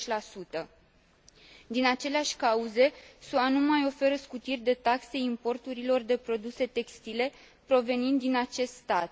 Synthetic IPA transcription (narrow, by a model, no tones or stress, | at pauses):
t͡ʃlasut̪ə | d̪inat͡ʃe̞leaʃʲkauze̞suanumajo̞fe̞ɾəskut̪irʲd̪e̞t̪akse̞impo̞rt̪uɾilo̞rd̪e̞pɾo̞d̪use̞t̪e̞kst̪ile̞ | pɾo̞ve̞nind̪ːinat͡ʃe̞st̪st̪at̪̚